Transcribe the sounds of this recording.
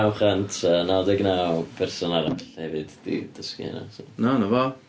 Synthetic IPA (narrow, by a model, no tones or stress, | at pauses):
awχəntʰənadɪɡnawpʰɛrsɔnaɾaɬhɛvɨd̥d̥ḭd̥əskḭɛ̰na̰sonanavɔ